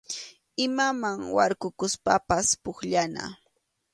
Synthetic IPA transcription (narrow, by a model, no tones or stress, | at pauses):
ɪmamaŋwaɾkʊkʊspapaspʊkʎana̰